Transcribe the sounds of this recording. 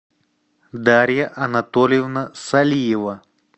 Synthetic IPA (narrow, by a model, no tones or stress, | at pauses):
d̪aɾʲjɐʔɐnɐt̪olʲɪjɪvnəsɐlʲijɪvə